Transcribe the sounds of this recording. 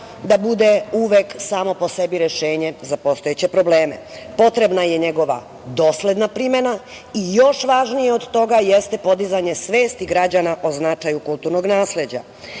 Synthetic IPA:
d̪abud̪e̞uʋe̞ksaːmo̞po̞se̞biɾe̞ʃe̞ːɲe̞zapo̞st̪o̞jet͡ɕe̞pɾo̞ble̞ːmḛ | po̞t̪ɾe̞bnaje̞ɲeɡo̞ʋa̰ | d̪o̞ːsled̪napɾime̞na | ijo̞ʃʋaʒnijeo̞d̪t̪o̞ɡajest̪e̞po̞d̪izaɲe̞sʋe̞ːst̪iɡɾad͡ʑanaʔo̞znat͡ʃajukult̪uɾno̞ɡnaːsle̞d͡ʑa̰

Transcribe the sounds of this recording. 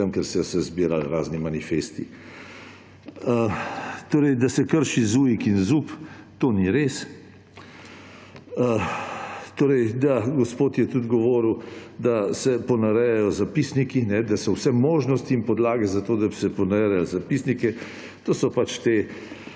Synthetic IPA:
əmkɛɾsɛsɛzbiːɾa̰lɾaːznimanifest̪i | t̪oːɾəjd̪asɛkəɾʃizuːjikinzuːp | t̪oːniɾes | ə | t̪oːɾəjd̪aɡɔspoːt̪jɛt̪ud̪ɡɔʋoːɾwd̪asɛpɔnaɾɛjɛjɔzapisnikinɛd̪asɔwsɛmoːʒnɔst̪iːmpɔd̪laːɡɛzat̪oːd̪abisɛpɔnaɾɛɾɛlzapisnikɛ | t̪oːsɔpat͡ʃt̪e

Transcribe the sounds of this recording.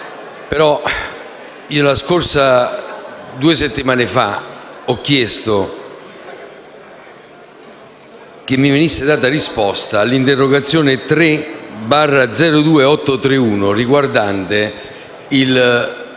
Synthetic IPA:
peɾɔ | iːolaskorsa | d̪uːeset̪ːimaːnefa̰ɔk̟ːjɛst̪o | k̟ɪmːivenisːɪd̪aːt̪arispɔst̪aːlːint̪erːoɡat̪sːjoːnet̪ɾebarːad̪zɛːɾod̪uːeɔt̪ːot̪ɾeuːnoriɡward̪ant̪e | il

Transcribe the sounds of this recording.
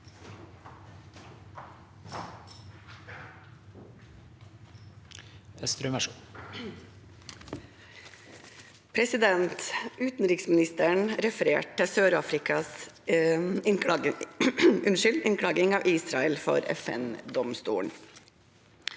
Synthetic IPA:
ɛst̪ɾʉmɛ | pʰɾɛsɪd̪ɛnt̪ʉːt̪n̩ɾɪksmɪnɪst̪əɳɾɛfəɾḛːʈ̚əsøːɾɑːfɾɪkʰɑs | ʉnʃʏld̪ʔɪŋkʰɽɑːɡɪŋɑːʋʔiːsɾɑɛlfɔ̰ɾɛ̰fɛ̰nd̪ɔmst̪ṵːɳ

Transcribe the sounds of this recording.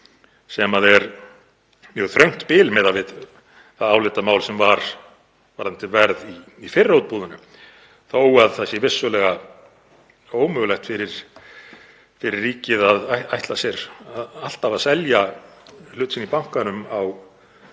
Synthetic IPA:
sɛmaðɛɾ | mjœɣθɾœɥŋ̥t̪pɪːlmɛðavɪð | θaðaːwlɪt̪amaːwlsɛmvaɾ̥ | vaɾ̥an̥t̪ɪvɛɾðiː | fɪrːowt̪̚puːðʏnʏ | θoːwaðθasjɛvɪsːʏlɛɣa | oːwmʏɣlɛxt̪fɪɾɪɾ̥ | fɪɾɪrːiːcɪðaðaajht̪lasjɛɾaðal̥t̪avaðsɛlja | l̥ʏht̪sɪnipawŋ̥kanʏmaw

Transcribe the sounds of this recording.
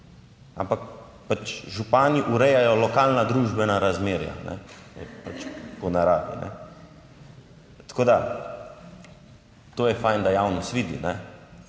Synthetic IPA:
a̰mpak | pat͡ʃʒupaːniʔuɾɛjajɔlɔkaːlnad̪ɾuːʒbɛnaɾazmeːɾja̰nɛ̰pat͡ʃpɔnaɾaːʋḭnʔɛ̰ | t̪ḁkoːd̪a | t̪oːjɛfajnd̪ajawnɔst̪ʋiːd̪ḭnɛ

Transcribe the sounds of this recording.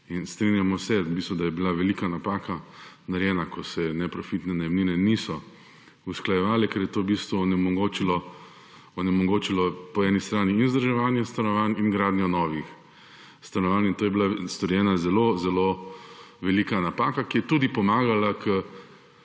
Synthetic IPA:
inst̪ɾinjamɔsɛbist̪ʋud̪ajɛbilaʋɛliːkanapaːkanaɾjɛːnakɔsɛnɛpɾɔfit̪nɛnajɛmninɛnisɔ | usklajɛʋaːlɛkɛɾjɛt̪obist̪ʋunɛmɔɡoːt͡ʃilɔ | ɔnɛmɔɡoːt͡ʃilɔpɔɛnist̪ɾaːniːnzd̪ɾʒɛʋaːnjɛst̪anɔʋaninɡɾaːd̪njɔnɔːʋix | st̪anɔʋaːnint̪oːjɛbilast̪ɔɾjɛːnazɛlozɛlo | ʋɛliːkanapaːkakijɛt̪uːd̪ipɔmaːɡalakʰə

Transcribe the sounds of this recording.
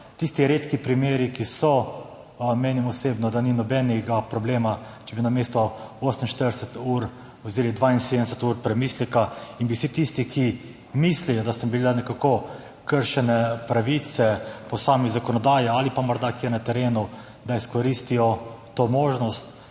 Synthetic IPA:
t̪ist̪iɾeːt̪kipɾimeːɾikisɔ | meːnimɔseːbnɔd̪aninɔbɛnɛɡapɾɔbleːma | t͡ʃɛbinameːst̪ɔoːsəmn̩ʃt̪əɾd̪ɛsɛt̪uːɾ | ozeːlid̪ʋainseːd̪əɛsɛt̪uɾpɾɛmiːslɛkainbisit̪ist̪ikʰi | mislijɔd̪asəmbilanɛkako | kəɾʃɛnɛpɾaʋit̪sɛpɔsaːmizakɔnɔd̪aːjɛalipamɔɾd̪akiɾnat̪ɛɾeːnu | d̪aiskɔɾist̪ijɔt̪omoːʒnɔst̪

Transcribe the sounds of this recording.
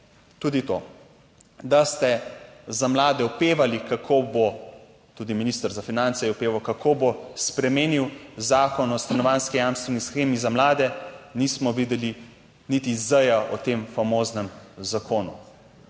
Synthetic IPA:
t̪uːd̪it̪o | d̪ast̪ɛzamlaːd̪ɛupeːʋalikakʰobo | t̪uːd̪iminiːst̪əɾzafinant̪sɛjɛupeːʋawkakʰobospɾɛmeːniwzaːkɔnɔst̪anɔʋanskijamst̪ʋɛnisxeːmizamlaːd̪ɛnismɔʋid̪ɛli | nit̪izəjaʔɔt̪emfamoːznɛmzakʰoːnṵ

